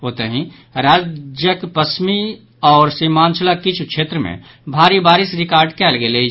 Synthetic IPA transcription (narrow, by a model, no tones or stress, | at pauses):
ɦoːt̪eɦĩ | ɾaːd͡ʒjəkpəsmi | ɔːɾsimãːnt͡ʃəlakɪt͡ʃʰukʰʃʰeːt̪ɾəmḛ̃ | bʱaːɾibaːɾɪsɾɪkaːɾɖkɛːlɡele